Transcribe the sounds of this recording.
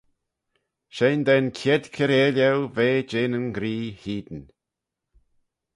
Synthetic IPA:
ʃeːnd̪ɛnkʰɛd̪kʰəɾeːlɛwveːd͡ʒeːnənɡɾiːhiːd̪ən

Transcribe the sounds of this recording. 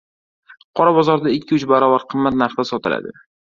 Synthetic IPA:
qʰɒɾabɒzɒɾd̪aɪkʲːɪʊt͡ʃbaɾɒvaɾqʰɨmːat̪̚naɾχd̪asɒt̪ɪla̰d̪ɪ̰

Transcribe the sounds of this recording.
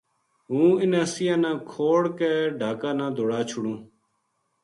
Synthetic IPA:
ɦũːɪnẽːsɪjãːnãːkʰoːɽkeːɖʱaːkãːnãːd̪ʱoːɽaːt͡ʃʰʊɽũː

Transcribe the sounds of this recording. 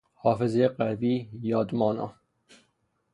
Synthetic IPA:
hɒːfezjeqæviːjɒːd̪mɒːnɑ̰

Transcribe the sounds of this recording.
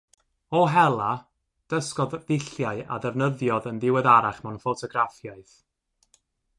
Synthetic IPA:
ɔɦɛlˠa | d̥əskɔððɪɬjaɨa̰ðɛvnəðjɔðənðɪwɛðaɾaχmɛwnfotʰɔɡrafjaɨθ

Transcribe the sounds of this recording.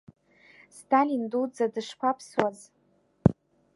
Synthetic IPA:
stʰalindud͡zadɨʂpʷʰapʰswaz

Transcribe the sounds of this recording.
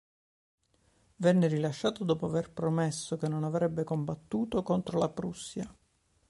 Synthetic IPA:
vɛnːerilaʃːaːt̪od̪ɔːpoaverpɾomesːokenːonavɾɛbːekombat̪ːuːt̪okont̪ɾolapɾusːja

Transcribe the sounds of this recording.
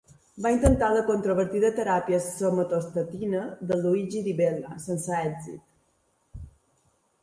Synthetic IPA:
baint̪ənt̪aləkont̪ɾoβəɾt̪iðət̪əɾapjəsːomət̪ost̪ət̪inəðəluiʒiðiβɛlasənsaɛɡzḭt̪

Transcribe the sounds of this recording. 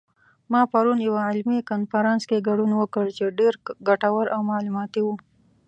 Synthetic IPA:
mɑpaɾunjawaʕɪlmikanfaɾɑnskeɡaɽunwəkəɽt͡ʃeɖeɾɡaʈawəɾʔawmɑlumɑt̪iwu

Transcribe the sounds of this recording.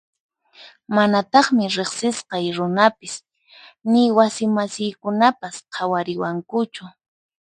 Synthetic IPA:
manat̪ɑχmɪɾeχsɪsqɑjɾʊnapɪs | nɪwasɪmasɪjkʊnapasqʰɑwaɾɪwaŋkʊt͡ʃʊ

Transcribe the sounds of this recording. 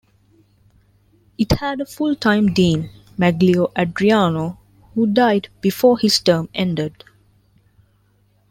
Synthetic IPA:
iʈhæɖəfʊlʈʰãɪ̃mdĩːn | mæɡlioʔæɖɾiaːno | huːɖaɪɖb̥ifoːhizʈəːmɛ̃ɳɖəɖ

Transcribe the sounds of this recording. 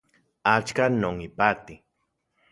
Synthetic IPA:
at͡ʃkanoŋipat̪i

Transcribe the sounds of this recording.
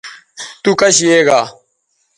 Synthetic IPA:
t̪uːkɐɕjeːɡaː

